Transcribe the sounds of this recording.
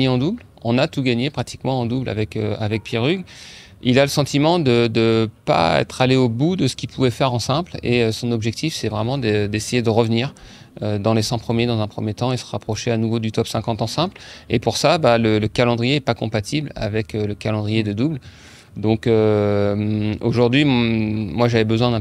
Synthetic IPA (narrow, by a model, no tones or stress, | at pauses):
eɑ̃d̪ubl | ɔ̃nat̪uɡaɲepχat̪i̥kmɑ̃ːd̪ubla̰vɛkøa̰vɛk̚pjeʁyɡ | ilaləsɑ̃t̪imɑ̃d̪əd̪əpa̰ɛ̰t̪χaleobud̪əsə̥kʲipʰuvɛfɛʁɑ̃sɛ̃pleøsɔ̃nɔbʒɛk̚t̪ʰifsɛvʁɛmɑ̃d̪əd̪esejed̪əʁəvniːʁ | ød̪ɑ̃lesɑ̃pχəmjed̪ɑ̃zɛ̃pχəmjet̪ɑ̃isə̥ʁapχɔʃeanuvod̪yt̪ɔpsɛ̃kɑ̃t̪ɑ̃sɛ̃plepuʁsabalələkalɑ̃d̪ʁijeɛpakɔ̃pat̪ʰibla̰vɛkøləkalɑ̃d̪ʁijed̪əd̪ubl | d̪ɔ̃kømoʒuʁd̪ɥimwaʒavɛbəzwɛ̃d̪ɛ̃